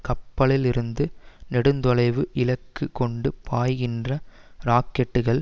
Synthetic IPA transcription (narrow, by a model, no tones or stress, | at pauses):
kɐpːɐɭɪlɪɾɯnd̪ɯnɛɽɯnd̪ɔlɐɪʋɯʔɪlɐkːɯkːɔɳɖɯpaːjɣɪndrɐɾaːkːɛʈːɯɣɐɭ